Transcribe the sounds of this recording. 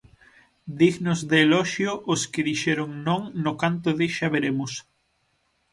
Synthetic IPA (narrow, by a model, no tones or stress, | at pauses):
d̪iɣnozðeːlɔʃjoʔoskɪðiʃɛɾoŋnõŋnokant̪oðeʃaβeɾemʊs